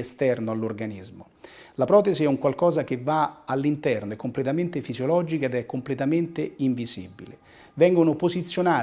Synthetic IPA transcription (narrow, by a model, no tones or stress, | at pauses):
est̪ɛrnoalːorɡanizmo | lapɾɔːt̪eziɛuŋkwalkɔːzak̟evːaalːint̪ɛrnoɛkːomplet̪ament̪efizjolɔːd͡ʒikaed̪ɛkːomplet̪ament̪eiɱvizḭbḭle | vɛŋɡonopozit̪sːjonaː